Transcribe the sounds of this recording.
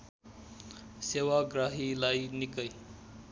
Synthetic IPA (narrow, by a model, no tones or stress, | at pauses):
sewaɡraɦilajnikʌj